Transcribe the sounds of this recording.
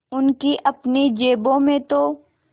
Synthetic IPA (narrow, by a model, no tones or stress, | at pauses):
ʊnkiʔɐpned͡ʒeːbõmẽt̪o